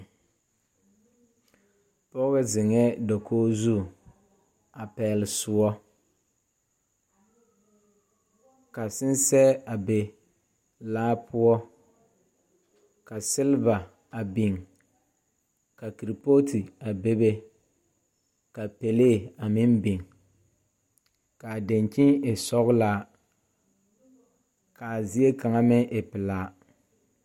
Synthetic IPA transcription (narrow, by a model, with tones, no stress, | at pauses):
pɔ˦bɛ˦zɪ˨ŋɛ˦dɔ˨kʰoː˦zu˦˨ | a˨pɛː˨lɪ˨sʊ˨ɔ˦ | ka˨sɪ˦n˦sɛ˦a˨be˨ | laː˦pʰʊ˦ɔ˦ | ka˨sɪ˦lva˨ | a˨bi˨ŋ | ka˨ki˨ɾi˨po˦tʰi˨a˨be˦be˦ | ka˨pe˨le˦˨a˨mɪ˦nbi˨ŋ | ka˨de˨ŋkɪ˦ŋe˨sɔ˦ɣʊ˦laː˦ | ka˨zi˦e˦ka˨ŋa˦mɛ˦ʔe˨pɪ˨laː˦